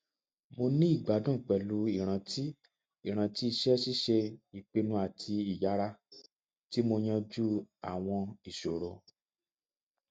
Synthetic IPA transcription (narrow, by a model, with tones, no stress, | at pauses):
mo˧nĩ˦i˦˨ɡ͡ba˨˦dũ˦˨k͡pɛ˨lu˨˦i˨ɾ̃ã˧˦ti˦ | i˦˨ɾ̃ã˧ti˦i˧ʃɛ˦ʃi˦ʃe˧i˨k͡pe˧nũ˧˦a˨tʰi˧i˨ja˨˦ɾa˧ | ti˦mo˧j̃ã˧d͡ʒu˦a̰˨w̃ɔ̃˧i˨ʃo˨ɾo˨˧